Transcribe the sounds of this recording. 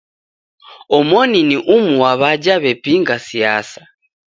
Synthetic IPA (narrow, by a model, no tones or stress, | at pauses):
ɔmɔniniʔumuwaβaɟaβɛpiŋɡasijasḁ